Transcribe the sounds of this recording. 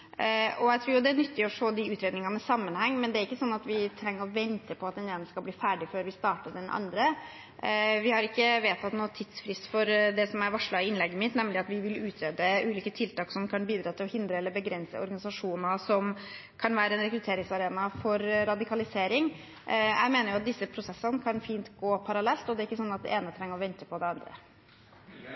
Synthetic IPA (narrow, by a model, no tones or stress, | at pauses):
ʔɔjæɪt̪ʰɾuːjʊd̪ɛæɳʏt̪ːɪɔʂoːd̪ɪʉːt̪ɾeːd̪nɪŋɑnəsɑmːənhɛŋːmɛnd̪ɛæɾɪkːəsɔnːɑt̪ʋɪt̪ʰɾɛŋːəɾɔʋɛnt̪ʰəpʰɔɑt̪d̪ɛneːnəskɑlbliːfæːɖɪføːɾʋɪst̪ɑːʈəɖ̪ɛnʔɑ̰nd̪ɾə | ʋɪhɑɾɪkːəʋeːt̪ʰɑt̪noːt̪ʰɪd̪sfɾɪst̪fɔɾd̪ɛsɔmæɾʋɑʂɭɑɪɪnlɛɡːəmɪt̪nɛmlɪɑt̪ʋɪʋɪlʉːt̪ʰɾeːd̪əʉːliːkət̪ʰɪlt̪ɑːksɔmkʰɑnbiːd̪ɾɑːt̪ʰɪlɔhɪnd̪ɾəɛlːəɾbəɡɾɛnsə̰ɔ̰ɾɡɑnɪsɑʂuːnəsɔm | kʰɑnʋæːɾəɛnɾɛkɾʉt̪ʰeːɾɪŋsɑɾeːnɑfɔɾɾɑd̪ɪkʰɑlɪseːɾɪŋ | jæ̰ɪmeːnəɾjʊɑt̪̚d̪ɪsːəpʰɾʊsɛsːənəkʰɑnfiːnt̪ɡoːpʰɑɾɑlɛlt̪ɔd̪ɛæɾɪkːəsɔnːɑt̪̚d̪ɛ̰ʔeːnət̪ʰɾɛŋːəɾɔʋɛnt̪əpʰɔd̪ɛɑnd̪ɾə̰